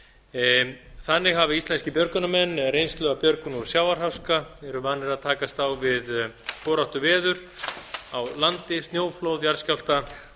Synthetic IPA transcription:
θanːɪɣɦavɪist̪lɛnscɪpjœɾkʏnamɛnːɾejnslœːɣapjœɾkʏnuɾ̥sjaːwvaɾ̥ɦawskaɛɾʏvanːɪɾaðt̪ʰaːkast̪awvɪð | poːɾawht̪ʏvɛːðʏɾ̥awlant̪ɪst̪joːwflowðjaɾscawl̥t̪a

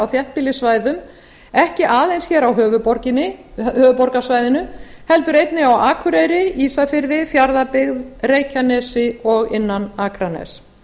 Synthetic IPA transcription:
awθjɛht̪̚pɪlːɪsvaːjðʏm | ɛhcɪʔaːðejnsçɛːɾawɦœːvʏpɔɾcɪnɪhœːvʏpɔɾkasvajðɪnʏhɛlt̪ʏɾejt̪nɪawaːkʰʏɾejɾɪiːsafɪɾðɪθjaɾðapɪɣðreːjcanɛsɪɔɣɪnːanaːkʰɾanɛ̰s

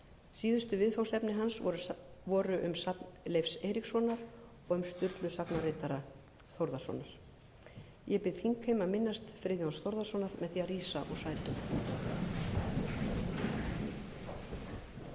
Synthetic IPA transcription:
siːðʏst̪ʏvɪðfawsɛpnɪɦansɾʏvɔːɾʏʔʏmslejfsɛːɾiksɔːnaɾ | ɔɣʏmst̪ʏɾt̪lʏsapnarɪːt̪aɾa | θowɾðasɔ̰ːnaɾ̥ | jɛpɪðθiŋkhejmaðmɪnːast̪fɾɪːðjɔnsθowɾðasɔːnaɾmɛðθiːariːsaʔɔɣsaːjt̪ʏm

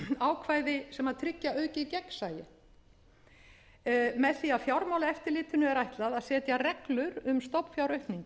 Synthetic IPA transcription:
aːwkʰvaːjðɪsɛmaðt̪ʰɾɪcːaœːɥcɪcɛksaːjɪ | mɛðθiaðfjawɾmaːwlaɛft̪ɪɾlɪːt̪ʏnʏɛɾajht̪laðaðsɛːt̪jarɛklʏɾʏmst̪owpfjawɾœɥhpniŋk

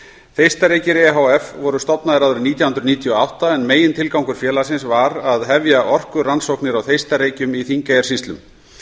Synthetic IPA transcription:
θejst̪aɾeːjcɪɾɛɦawɛfvɔɾʏst̪ɔpnaðɪɾawðʏɾʏɾniːt̪jawhʏnɾʏniːt̪ʰjɔawht̪aɛnmeːjɪnt̪ʰɪlkawŋkʏɾ̥fjɛːlasɪnsvaɾaðɦɛvjaʔɔr̥kʏransowhknɪɾawθejst̪aɾeːjcʏmiθiŋkajɛɾ̥sist̪lʏm

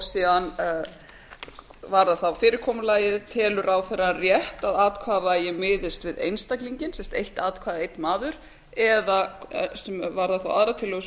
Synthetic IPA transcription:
siːðan | vaɾðaθawfɪːɾɪɾ̥kʰɔːmʏlaːjɪðt̪ʰɛːlʏɾʔawθɛrːarjɛht̪aðaːt̪kʰvaːðvajɪmɪːðɪst̪vɪðḛjnst̪akliɲcɪnsɛmst̪ejht̪aːt̪kʰvaːðaejt̪maːðʏɾ̥ | ɛðasɛmvaɾðaθawʔaðɾat̪ʰɪlːœɣʏs

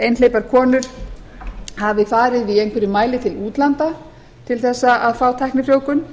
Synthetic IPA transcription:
ejnlejpaɾkʰɔːnʏɾ̥ | havɪfaːɾɪðviejŋkʰvɪɾʏmaːjlɪt̪ʰɪluːt̪lant̪a | t̪ʰɪlθɛsːaʔaðfaːwt̪ʰajhknɪfɾjoːwkʏn

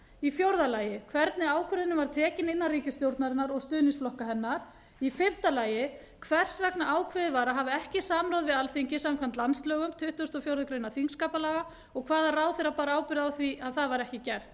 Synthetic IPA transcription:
ifjowɾðalaːjɪkʰvɛɾt̪nɪaːwkʰvʏɾðɪnʏvaɾ̥t̪ʰɛːcɪnɪnːariːcɪst̪jowɾt̪naɾɪnːaɾɔɣst̪ʏːðnɪnsflɔhkaɦɛnːaɾ̥ | ifɪm̥t̪alaːjɪ | kʰvɛr̥svɛknaʔaːwkʰvɪðɪvaːɾaɦavɪɛhcɪsaːmloːwðvɪðalθimcɪsamkʰvam̥t̪lanst̪lœːɣʏmt̪ʰʏht̪ʏst̪ɔfjowɾðʏkɾejnaθiŋskaːpalaːɣa | ɔɣkʰvaːðaraːwθeɾapaːɾaaːwpɪɾɪðawθviʔaðθaðvaɾɛhcɪcɛr̥t̪

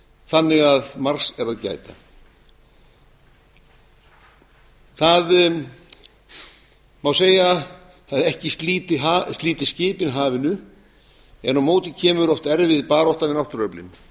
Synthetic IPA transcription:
θanːɪɣaðmar̥sɛɾaðca̰ːjt̪a | θað | mawseːja | θaðɛhcɪst̪liːt̪ɪɦast̪liːt̪ɪ̥scɪːpɪnɦaːvɪnʏ | ɛ̰nɔmoːwt̪ɪcʰɛːmʏɾɔft̪ɛɾvɪðpaːɾɔht̪avɪnawht̪ʏɾœplɪ̰n

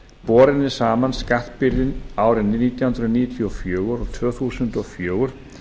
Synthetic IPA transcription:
pɔːɾɪnɪ̥saːmanskaht̪pɪɾðɪnaːwɾɪniːt̪jahʏnɾɔniːt̪ʰjɔfjœːɣʏɾɔɣt̪ʰvœːθuːsʏnt̪ɔɣfjoːɣʏɾ̥

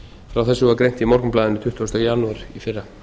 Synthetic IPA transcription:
fɾawθɛsːʏakɾejn̥t̪imɔɾkʏmplaːðɪnʏt̪ʰʏht̪vast̪ajanuaɾ̥ifɪrːa

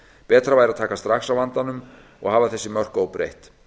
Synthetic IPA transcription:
pɛːt̪ɾavaːjɾaðt̪ʰaːkast̪ɾaxsawvant̪anʏm | ɔ̰ɣhaːvaθɛsːɪmœr̥kowpɾḛjht̪

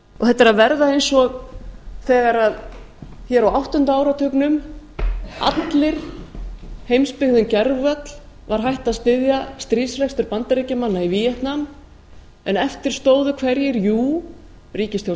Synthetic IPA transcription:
ɔ̰ɣθɛht̪aɾaðvɛɾðaejnsɔɣθɛːɣaɾað | çɛːɾawawht̪ʏnt̪aaːwɾat̪ʰœknʏm | a̰t̪lɪɾ̥ | hejmspɪɣðʏncɛɾvvœt̪l̥ | vaɾ̥ɦajht̪aðst̪ɪðjast̪ɾiːsvɛkst̪ʏɾpant̪aɾiːcamanːaivijɛht̪nam | ɛnɛft̪ɪɾ̥st̪oːwðʏkʰvɛɾjɪɾjuː | riːcɪst̪θjow

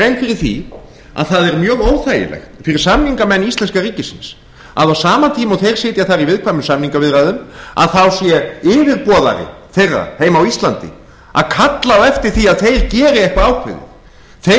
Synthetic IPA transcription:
ɾejnkfɪɾɪɾ̥θḭ | a̰ðθaðɛɾmjœːɣoːwθaːjɪ̰lɛ̰xt̪fɪɾɪɾ̥samniŋkamɛnːist̪lɛnskariːcɪsɪns | a̰ðawsaːmant̪ʰiːmɔθejɾ̥sɪːt̪jaθaɾivɪðkʰvajmʏmsamniŋkavɪðɾajðʏma̰ðθawsjɛɪːvɪɾpɔːða̰ɾɪ̰θejrːa̰heːjmawist̪lant̪ɪ̰ | a̰ðkʰat̪lawɛft̪ɪɾ̥θiaðθejɾcɛːɾɪɛjhkvaaːwkʰvɪ̰ðɪ̰θ | θe

